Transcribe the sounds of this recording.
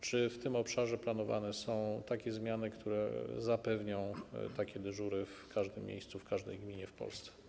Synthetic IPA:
t͡ʂɘft̪ɘmɔpʂaʐɛplan̪ɔva̰nɛsɔ̃w̃t̪akʲɛzmʲjanɘkt̪ʰuɾɛ̰zapɛvɲɔ̃w̃t̪akʲɛd̪ɘʐuɾɘfkʰaʐd̪ɘmʲːjḛjst̪sufkʰaʐd̪ɛjɡmʲiɲɛfpɔ̰lst̪sɛ̥

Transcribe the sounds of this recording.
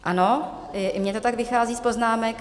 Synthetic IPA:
ʔano | mɲɛt̪o̞t̪aɡvɪxaːziːspo̞znaːmɛk

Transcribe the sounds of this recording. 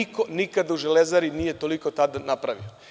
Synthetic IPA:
ikonikad̪auʒelezaɾinije̞t̪o̞liko̞t̪ad̪anapɾaʋḭo

